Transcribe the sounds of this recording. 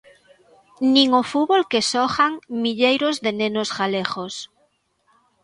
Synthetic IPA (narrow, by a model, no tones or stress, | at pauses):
nĩŋofuβolkesɔxaŋmiʎejɾozðenẽnosɣalexos